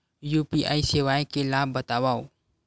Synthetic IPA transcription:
juːpiʔa̰ːiseʋaːjkelaːbːət̪aʋaːo

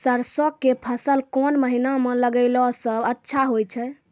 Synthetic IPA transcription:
səɾsɔkːepʰəsəlkɔnməɦinamẽləɡəɪlɔsəbətːʃʰaɦojt͡ʃʰɛ

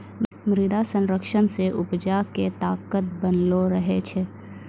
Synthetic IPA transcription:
mɾɪd̪asə̃nɾəkʃənseʔʊpd͡ʒaket̪aːkət̪̚bənloɾəɦet͡ʃʰe

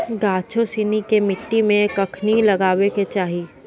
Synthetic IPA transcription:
ɡaːt͡ʃʰosiːnikemɪʈːimẽkɐkʰnilɐɡaːʋeket͡ʃaːɦi

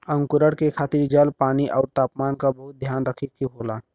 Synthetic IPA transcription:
ə̃ŋkʊɾəɽkekʰaːt̪ɪɾd͡ʒəlpaːniʔɔːɾt̪aːpmaːnkabəɦʊt̪̚d̪ʱjaːnɾəkʰit̪kiɦoːlaː

